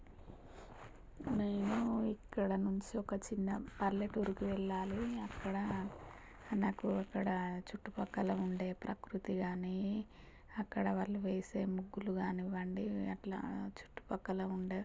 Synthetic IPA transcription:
neːnuikːɐɽɐnuɲt͡ʃiɔkɐt͡ʃinːɐpɐɾleʈuːɾikiʋɛɭːaːliɐkːɐɽɐ | naːkuɐkːɐɽɐt͡ʃuʈːupɐkːɐlɐuɳɖe̞ːpɾɐkɾut̪iɡaːni | ɐkːɐɽɐʋɐɭːuʋeːseːmuɡːuluɡaːniʋɐɳɖiɐʈla̰ːt͡ʃu̥ʈːu̥pɐkːɐlouɳɖeː

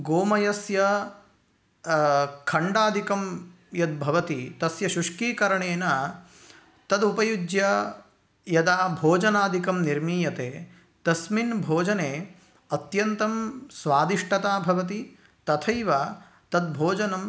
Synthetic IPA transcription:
ɡoːmɐjɐsjɐ | kʰɐɳɖaːd̪ʱikɐm | jɐd̪̚bʱɐʋɐt̪it̪ɐsjɐʃuʂkiːkɐɾɐɳeːnɐ | t̪ɐd̪upɐjud͡ʒjɐ | jɐd̪aːbʱoːd͡ʒɐnaːd̪ʱikɐmniɾmiːjɐt̪eː | t̪ɐsminbʱoːd͡ʒɐneː | ɐt̪jɐnt̪ɐmsʋaːd̪iʂʈɐt̪aːbʱɐʋɐt̪i | t̪ɐt̪ʰɐjʋa | t̪ɐd̪̚bʱoːd͡ʒɐnɐm

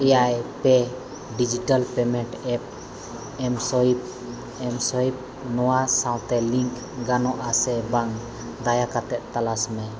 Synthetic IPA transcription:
ɛjajpɛ | ɖid͡ʒiʈalpɛmɛɳʈɛp̚ | ɛmsɔip̚ | ɛmsɔip̚ | nɔwasaw̃t̪ɛliŋk | ɡanɔʔasɛbaŋ | d̪ajakat̪ɛʔ̪̚t̪alasmɛ

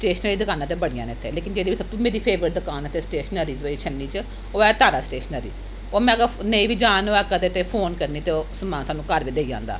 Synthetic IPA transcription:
sʈeːʃənəɾiːd̪əkaːnãːt̪̬eːbəɽɪjã̰ːneːt̪ʰːḛːleːkɪnd͡ʒeːdiʋisəb̚t̪ũmeːɾiːpʰeːʋɾəʈ̚d̪əkaːnət̪eːsʈeːʃnəɾiːd͡ʒəiːt͡ʃʰənːiːt͡ʃə | oːɛːt̪aːɾaːsʈeːʃənəɾḭː | oːmɛ̃ːɡəneĩːʋiːd͡ʒaːnoɛːkəd̪eːt̪eːpʰoːnkəɾniːt̪eoːsəmãːnsaːnũːkəɾʋiːd̪eid͡ʒã̰ːnd̪a̰ː

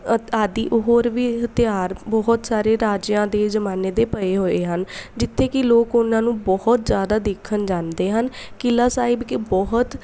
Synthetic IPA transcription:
aːd̪iːʔoɦoːɾʋiːɦət̪ɪjaːɾbɔɦʊt̪saːɾeːɾaːd͡ʒjãːd̪eːzəmaːneːd̪eːpəeːɦoːeːɦənd͡ʒɪt̪ʰːeːkɪloːkʊnãːnũːbɔhʊt̪zjaːd̪aːd̪eːkʰːənd͡ʒãːnd̪eːɦən | kɪlaːsaːɪbkɪbɔɦʊt̪

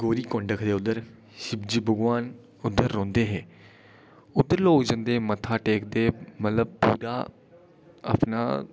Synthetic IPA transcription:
ɡoːɾiːkõɳɖəkʰd̪eːʊd̪ːəɾ | ʃɪbd͡ʒiːbʱəɡʋaːn | ʊd̪ːəɾːõːnd̪eːɦɛː | ʊd̪ːəɾloːd͡ʒənd̪eːmət̪ʰaːʈeːk̚d̪eːmət̪ləb̚puːɾa̰ː | ə̰pna̰ː

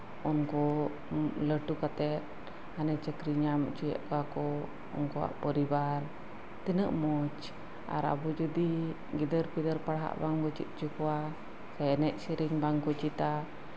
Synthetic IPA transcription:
ɔnkɔ | ləʈukat̪ɛt̪̚ | hanət͡ʃəkɾiɲamt͡ʃujɛ̰ʔkakɔ | ɔ̰ŋkua̰ʔpɔɾibaɾ | t̪ənəʔmɔt͡ʃ | a̰ɾa̰bud͡ʒud̪i | ɡid̪əɾpid̪əɾpaɽɦa̰ʔbaŋɡɔt͡ʃḭt̪̚t͡ʃukua | saɛnɛʔ̪̚siɾiŋbaŋkɔt͡ʃit̪a

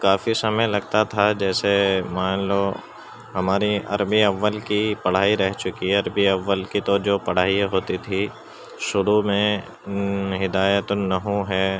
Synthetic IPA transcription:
kaːfisɐməjlɐɡ̚t̪at̪ʰad͡ʒɛːsemaːnloː | ɦɐmaːɾiɐ̰ɾbiɐʋːəlkipɐɽ̤aːiɾɛɦt͡ʃʊkiɐɾbiɐʋːəlkit̪od͡ʒoːpɐɽ̤aːiɦoːt̪it̪ʰi | ʃʊɾumẽ | ɦɪd̪aːjət̪nɐɦũɦɛː

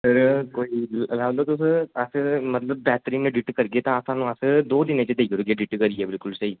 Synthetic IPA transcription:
səɾkoːiːəlaːʋd̪ot̪ʊsəsmət̪ləbːɛːt̪ɾiːneɖɪʈkəɾɡeːt̪ãːəsãːnũːəsd̪oːd̪ɪnẽːt͡ʃəd̪eːɡoɾɡeːɖɪʈkəɾɪeːbɪlkʊlsɐiː

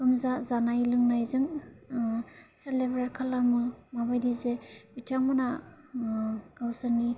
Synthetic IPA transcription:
kɯmzazanajlɯŋnajzɯŋ | selebɾaɾkʰalamɯmabajdizebitʰaŋmɯna | ɡ̥awsani

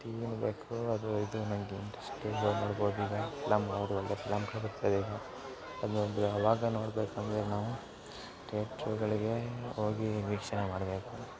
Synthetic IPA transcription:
ʈiːinbeːkuɐd̪uid̪unɐŋɡeiɳʈɾɐsʈiɡɐnoːɽboːd̪iːɡɐfilamɐʋaːɡɐd̪uɔɭːepilamkʰɐbɐɾt̪ajd̪iːɡɐ | ɐd̪umb̪uɐʋaːɡɐno̞ːɽbeːkɐnd̪ɾenaːʋu | ʈeːʈɾuːɡɐɭiɡe̞oːɡiʋiːkʂɐnemaːɽbeːku

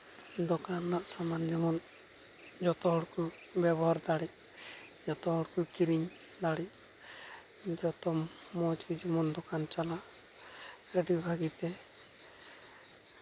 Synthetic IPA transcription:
d̪ɔkanlaʔsamand͡ʒɔmɔn | d͡ʒɔt̪ɔɦɔɽkubjɛbɔɦaɾd̪aɽic̚d͡ʒɔt̪ɔɦɔɽkukiɾiɲd̪aɽi | d͡ʒɔt̪ɔmɔt͡ʃid͡ʒɔmɔnd̪ɔkant͡ʃalaʔ | əɖibʱaɡit̪ɛ

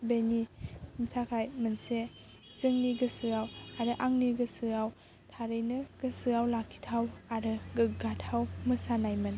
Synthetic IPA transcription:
benimitʰakʰajmɯnse | zɯŋniɡɯsɯawaɾɯʔaŋniɡɯsɯaw | tʰaɾɯjnɯɡ̥ɯsɯawlakʰi̥tʰawaɾɯɡɯɡatʰawmɯsanajmɯn

